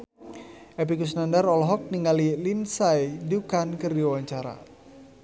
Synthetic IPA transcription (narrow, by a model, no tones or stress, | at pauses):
ʔep̬ikus̬nandarɔlɦɔk̚niŋalilinsajdukankərdiawaɲt͡ʃaɾa̰